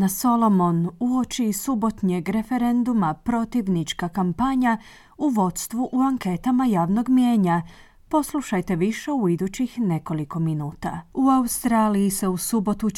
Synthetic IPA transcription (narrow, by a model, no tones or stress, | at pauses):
naso̞lˠo̞mo̞nuo̞t͡ʃisubo̞t̪ɲeɡɾe̞fe̞ɾe̞nd̪umapɾo̞t̪iʋnit͡ʃkakampaɲa | uʋo̞t̪st̪ʋuʔuaŋke̞t̪amajaːʋno̞ɡmje̞ːɲa | po̞slˠuʃajt̪e̞ʋiʃe̞uid̪ut͡ɕixne̞ko̞liko̞minuːt̪a̰uaust̪ɾaːlijise̞usubo̞t̪u